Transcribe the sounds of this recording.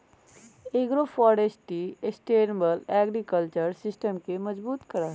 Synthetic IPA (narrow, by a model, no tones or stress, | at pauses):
eɡɾofʰɔːɾesʈiesʈeːɾbəlɛːɡɾikəlt͡ʃəɾsɪsʈəmkeməd͡ʒbuːt̪kəɾa